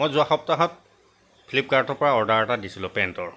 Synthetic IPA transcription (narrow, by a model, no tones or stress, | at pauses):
mojzʊaxɔp̚taɦɔt̚ | pʰlip̚kaɹtɔɹpɔɹaɔɹdaɹɔtadisilʊ̃pɛntɔɹ